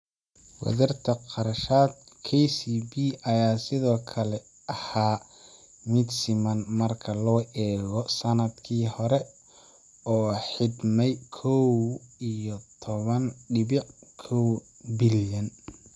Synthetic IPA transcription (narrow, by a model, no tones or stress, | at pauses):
wɐ̰ðɐrt̪ʰɐqɑɾɐʃaːd̪̚ | kʰɛjsiːbiːʔɐjaːsɪðɔːkʰɐlɛ | ʔɐhaː | mɪd̪sɪmɐnmɐrkʰɐlɔːʔɛːɣɔsɐnɐd̪kʰiːhɔɾɛ | ɔːħɪd̪mɛjkʰɔwijɔt̪ʰɔβɐnɖɪβɪkʰɔw | bɪljɐn